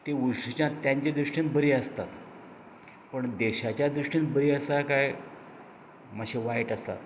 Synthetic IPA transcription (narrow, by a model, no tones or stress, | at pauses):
t̪eʋuɾʂit͡ɕãt̪jãɲt͡ɕed̪ɾuʂʈinbəɾiːəst̪at̪ | pəɳd̪eɕat͡ɕjad̪ɾuʂʈinbəɾiːəsakaj | maɕeʋajʈəsa̰